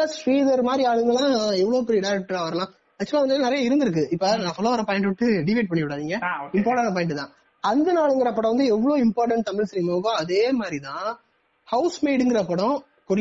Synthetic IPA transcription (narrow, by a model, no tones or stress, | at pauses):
sʈɾiːðɐɾmaːd̪ɾiaːɭɯŋɡɐlãːɛʋːɐɭoːpɛɾiɪɖɐɪɾɛk̚ʈɐɾaːʋɐɾɐlãː | nɐt͡ʃːɐlaʋɐnd̪ɯnɪɾɐjaɪɾɯnd̪ɪɾɯkːɯɪpːɐnãːfɔloːʋɐɾɐpaːjɪ̃ɳʈʋʈːɯɖɪʋɐːʈ̚pɐɳːɪʋɪɽaːðiːŋɡɐːɪmpaːɾʈãːnɐp̬aːɪɳʈɯt̪ãː | ɐnd̪ɐnaːɭɯŋɡɪɾɐpːɐɽɐ̃ʋɐnd̪ɯɛʋːɐɭoːɪmpaːɾʈɐɳʈ̚t̪ɐmɪɭsɾiːmɐʋɯkːõːɐðeːmaːd̪ɾit̪ãː | hɐʊsmeːɽɯŋɡɪɾɐpːɐɽɔ̃ | kʊɾ